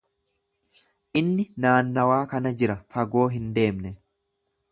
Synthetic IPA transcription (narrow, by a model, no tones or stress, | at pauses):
ʔɪnːɪnaːnːɐwaːkɐnɐd͡ʒɪɾɐfɐɡo̞ːɦɪnd̪e̞ːmnɛ